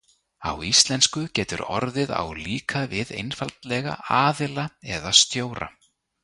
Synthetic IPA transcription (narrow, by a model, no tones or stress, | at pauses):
awist̪lɛnskʏcɛːt̪ʏ̰ɾɔ̰ɾðɪða̰wliːkʰavɪðḛjnfalt̪lɛɣa̰ʔaːðɪlaɛðast̪joːwɾa̰